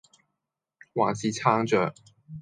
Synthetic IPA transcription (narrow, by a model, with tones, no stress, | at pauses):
wɑ̰˨˩ŋt͡ɕi˨˩t͡sʰɑ˥ŋʈ͡ʂə˨˩